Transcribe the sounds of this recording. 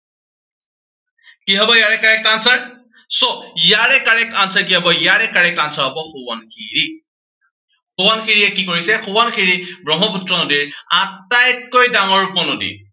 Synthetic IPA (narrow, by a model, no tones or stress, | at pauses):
kiɦɔbɔjaɹɛkaɹɛkansaɹ | soijaɹɛkaɹɛkansakiɦɔbɔijaɹɛkaɹɛkansaɹabɔxuwa̰nxḭɹi | xowankʰiɹiɛkikoɹisɛxuwankʰiɹibɹɔɦɔputɹɔnodiɹatːajtkojdaŋɔɹpɔnodḭ